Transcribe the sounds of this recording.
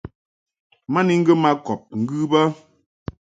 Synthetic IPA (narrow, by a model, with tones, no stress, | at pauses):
ma˦ni˦ŋ̩˦ɡə˦ma˦kɔ˨p̚ŋ̩˦ɡɯ˦bə˦